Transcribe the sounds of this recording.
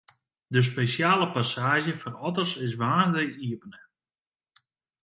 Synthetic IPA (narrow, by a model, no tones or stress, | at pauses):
dəs̬pesjaːləpasaːʒjəfɔrɔtərsɪs̬ʋaːrdəiəpənə